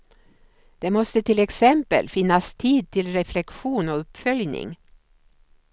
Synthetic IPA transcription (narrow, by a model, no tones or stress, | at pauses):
d̪̥ɛmɔst̪ət̪ʰɪlɛksɛmpə̰lfɪnːast̪ʰiːd̪̚t̪ʰɪlɾɛflɛkɧuːnɔɵpfœljnɪ̰ŋ